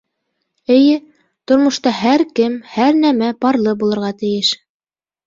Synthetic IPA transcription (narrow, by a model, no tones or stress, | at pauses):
ɘ̆jɘ | t̪ŏɾmŏʃt̪ɑɦæɾkɘmhæɾnæmæpɑɾlˠɤbulˠɤ̆ɾʁɑt̪ɘ̆jɘʃ